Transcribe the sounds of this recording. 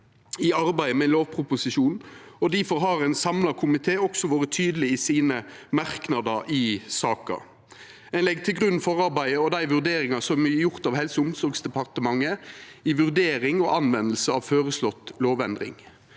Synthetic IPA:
ɪɑɾbæɪəmɛloːʋpʰɾʊpʊsɪʃuːnɔd̪æfɔɾɦɑɾɛɪnsɑmlɑkʰʊmɪt̪ʰeːɔksɔʋoːɾət̪ʰyːd̪əlɪɪsiːnə | mɑɾknɑd̪ɑʔɪsɑːkɑ̰ | ɛnlɛɡ̚t̪ʰɪlɡʁʉn̩fɔʁɑɾbæɪəɔd̪æɪʋʉʁd̪eːɾɪŋɑsɔmæjʊʁt̪ɑːʋhɛlsəʊmsɔɾɡsd̪ɛpɑʁt̪əmɑŋːəɪʋʉʁd̪eːɾɪŋɔʔɑnʋɛnəl̩səɑʋføːʁəslɔt̪ːloːʋɛnd̪ɾɪ̰ŋ

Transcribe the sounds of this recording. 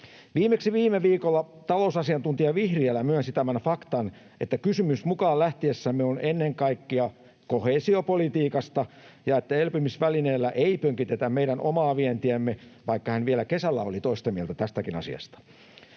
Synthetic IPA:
ʋiːmeksiʋiːmeʋiːkolːɑ | t̪ɑlousɑsiɑnt̪unt̪iɑʋihriælːæmyønsit̪æmænfɑkt̪ɑn | ʔet̪ːækysymysmukɑːlæht̪iesːæmːeonʔenːeŋkɑikːiɑ | koheːsiopolit̪iːkɑst̪ɑ | jɑet̪ːæelpimisʋælineːlːæʔeipøŋkit̪et̪æmmeiɾænʔomɑːʋient̪iæmːeʋɑikːɑhænʋielækesælːæo̰lit̪oist̪ɑmielt̪æt̪æst̪ækinɑ̰sḭɑ̰st̪ɑ̥

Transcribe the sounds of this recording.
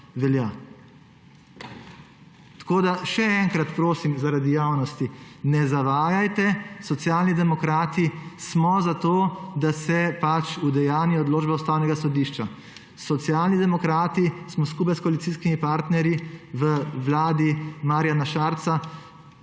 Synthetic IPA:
ʋɛlja | t̪ḁkoːd̪aʃɛɛŋkɾat̪pɾoːsimzaɾad̪ijawnɔst̪inɛzaʋaːjajt̪ɛsɔt̪sjalnid̪ɛmɔkɾaːt̪ismɔzat̪od̪asɛpat͡ʃud̪ɛjaːniɔɔd̪loːd͡ʒbɛust̪awnɛɡasɔd̪iʃt͡ʃa | sɔt̪sjaːlnid̪ɛmɔkɾaːt̪ismɔskuːp̬ajskɔalit̪siːskimipaɾt̪nɛɾjiʋəʋlaːd̪imaːɾjanaʃaːɾt̪sa

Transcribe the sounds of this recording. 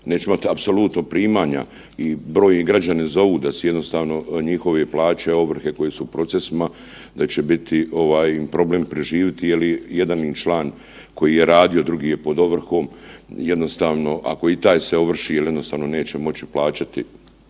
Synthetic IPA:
ne̞ːt͡ʃeimat̪apso̞lut̪nopɾiːmaːɲa̰ | ibɾoːjniɡɾad͡ʑanezo̞ʋuːd̪asejed̪nost̪aːʋno̞ɲixo̞ʋeplaːt͡ɕeo̞ʋr̩xe̞ko̞jesupɾo̞t̪sesima | d̪at͡ɕe̞bit̪ʰio̞ʋaːjpɾo̞bleːmpɾeʒiːʋit̪ijelije̞d̪anint͡ʃlaːn | ko̞jiːje̞ɾaːd̪io̞d̪ɾuɡiːjepo̞d̪o̞ʋr̩xo̞ːmje̞d̪no̞st̪aːʋno̞ʔa̰ko̞it̪aːjseo̞ʋr̩ʃiːjelje̞d̪nost̪aːʋno̞ne̞ːt͡ɕemo̞t͡ɕi̥plˠaːt͡ɕat̪i

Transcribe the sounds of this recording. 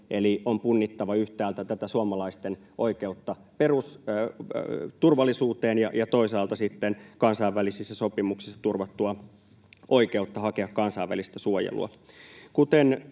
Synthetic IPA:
ʔeliʔompunːit̪ːɑʋɑyht̪æːlt̪æt̪æt̪æsuɑmɑlɑist̪en | ʔo̞ikeut̪ːɑ | perus | t̪urʋɑlːˑisuːt̪eːnjɑjɑt̪oisɑːlt̪ɑsit̪ːenkɑnsɑiʋːælisisːæso̞pimuksi̥sːɑ̥t̪urʋɑt̪ːuɑ | ʔoike̞ut̪ːɑhɑkeɑkkɑnsɑiʋæ̰list̪æsuojḛlṵɑ̰ | kut̪en

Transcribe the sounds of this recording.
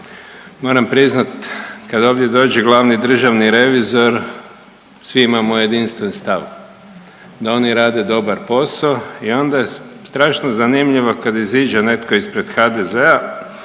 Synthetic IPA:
mo̞ɾampɾiznat̪kad̪o̞ːʋdje̞d̪o̞ːd͡ʒeɡlˠaʋnid̪r̩ʒaʋniɾe̞ʋizo̞ɾ | sʋiimamoje̞d̪inst̪ʋenst̪aʋ | d̪ao̞niɾaːd̪e̞d̪o̞baɾpo̞saoio̞nd̪ajest̪ɾaːʃnozanimʎiʋo̞kad̪iziːd͡ʒene̞t̪koispɾe̞d̪xad̪ezea

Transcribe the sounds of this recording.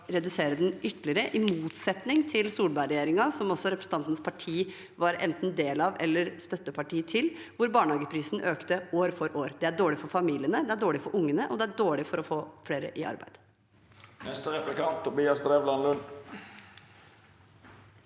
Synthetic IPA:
ɾɛd̪ʉseːɾəd̪ɛnʏt̪ːlɪəɾəʔɪmuːt̪sɛt̪nɪŋt̪ʰɪlsuːlbæɪɾɛjeːɾɪŋɑsɔmɔsːɔɾɛpɾsn̩ɑnt̪n̩spʰɑʈʰiː | ʋɑɾɛ̰nt̪n̩d̪eːlɑʋɛ̰lːəɾst̪œt̪ːəpʰɑʈiːt̪ʰɪl | ʋʊɾbɑːɳɑːɡəpʰɾiːsnʔøːkt̪əoːɾfɔɾʔoːɾd̪ɛæɖoːɭɪfɔɾfɑmiːlɪənəd̪ɛæɖoːɭɪfɔɾʔʊŋːənəʔɔd̪ɛæɖoːɭɪfɔɾɔfoːfɽeːɾə̰ʔɪɑ̰ɾbæ̰ɪd̪ | nɛst̪əʁɛplɪkɑnt̪ʰːʊbiːɑsd̪ɾeːʋlɑnlʉn

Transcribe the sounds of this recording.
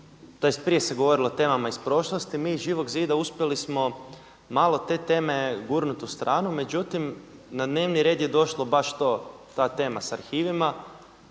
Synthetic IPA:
t̪o̞je̞st̪̚pɾije̞se̞ɡoʋo̞ɾilo̞t̪e̞ːmamaispɾo̞ʃlˠost̪imiːʒiːʋo̞ɡziːd̪auspjelismo̞ | maːlˠo̞t̪e̞ːt̪e̞ːme̞ɡuɾnut̪ust̪ɾʔaːnume̞d͡ʑut̪imnad̪ne̞ːʋniɾe̞ːd̪jed̪o̞ʃlo̞baʃt̪o̞ːt̪aːt̪e̞ːmasaɾxiːʋima

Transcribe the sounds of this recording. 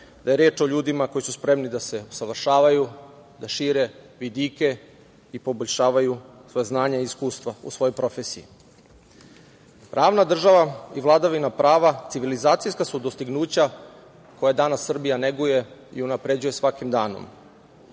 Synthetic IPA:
d̪̥ajeɾeːt͡ʃo̞ʎuːd̪imako̞jisuspɾe̞mnid̪ase̞osaʋr̩ʃaːʋaju | d̪aʃiːɾe̞ʋid̪ike | ipo̞boʎʲʃaːʋajusʋo̞jeznaːɲaiiskuːst̪ʋaṵsʋojo̞jpɾo̞fesijḭ | pɾʔaːʋnad̪r̩ʒaʋaiʋlˠad̪aʋinapɾʔaːʋat̪iʋilizaːt̪ijskasud̪o̞st̪iɡnuːt͡ɕa | ko̞jad̪anasːr̩bijane̞ɡuje̞ḭunapɾe̞d͡ʑuje̞sʋakimd̪aːno̞̰m

